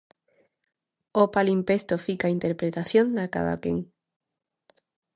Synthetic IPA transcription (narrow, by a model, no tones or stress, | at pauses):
opalimpest̪ofikaint̪eɾpɾet̪aθjond̪aka̰ða̰kḛŋ